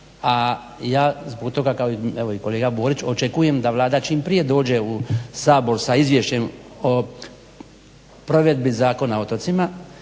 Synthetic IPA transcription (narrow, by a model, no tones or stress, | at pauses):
a | jaːzboɡt̪o̞ɡakaoieʋo̞iko̞leːɡaboːɾit͡ʃo̞t͡ʃe̞kuje̞md̪aʋlˠaːd̪at͡ʃiːmpɾije̞d̪o̞ːd͡ʑe̞usaːbo̞ɾsaizʋje̞ʃt͡ɕe̞mo | pɾo̞ʋe̞d̪bizaːko̞nao̞t̪o̞t̪sima